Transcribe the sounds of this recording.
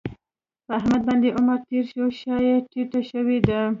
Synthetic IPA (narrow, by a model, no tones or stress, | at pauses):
pəahmad̪̚bɑnd̪eʔʊmaɾt̪eɾʃoʃɑjeʈiʈaʃəwed̪a